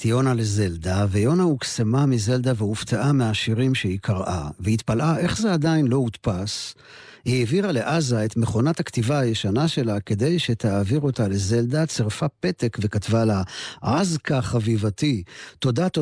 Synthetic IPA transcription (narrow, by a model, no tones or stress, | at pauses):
tjo̞naleze̞ldavejo̞nauksemamize̞ld̪aveuftaʔameaʃiʁimʃeikʰaʁʔa̰veit̪palʔaʔe̞χzeadainlo̞it̪pas | hiːviʁale̞ʔazaet̪meχo̞natakt̪ivaːjeʃanaʃe̞lake̞d̪e̞jʃe̞t̪aaviʁo̞tale̞ze̞ld̪at͡seʁfape̞t̪ekve̞katvalaazkaχavivatito̞dat̪o